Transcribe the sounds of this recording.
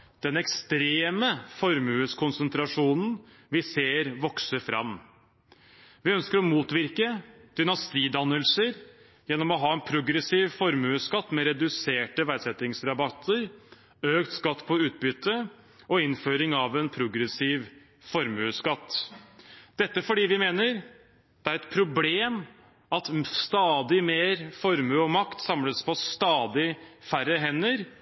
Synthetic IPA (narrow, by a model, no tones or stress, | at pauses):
d̪̥ɛnɛkst̪ɾeːməfɔɾmʉːəskʰʊnsənt̪ʰɾɑʂuːnn̩ | ʋɪseːɾʋɔksəfɾʔɑ̰m | ʋɪœnskəɾɔmuːt̪ʋɪɾkəd̪̥ʏnɑst̪iːd̪ɑnːəlsəɾ | jɛnːɔmɔɦɑːɛnpʰɾʊɡɾəsiːʋfɔɾmʉːskɑt̪ːmɛɾɛd̪ʉseːʈəʋæd̪sɛt̪ɪŋsɾɑbɑt̪ʰːəɾ | øːkt̪skɑt̪ːpʰɔʉːt̪̚bʏt̪ːə | ʔɔɪnføːɾɪŋɑʋɛnpʰɾʊɡɾɛsiːʋ | fɔɾmʉːskɑt̪ː | d̪̥ɛt̪ːəfɔɖiːʋɪmeːnəɾ | d̪̥ɛæɾɛt̪pʰɾʊbleːm | ɑt̪st̪ɑːd̪ɪmeːɾfɔɾmʉɔmɑkt̪sɑmləspʰɔst̪ɑːd̪ɪfæɾːəɦɛnːəɾ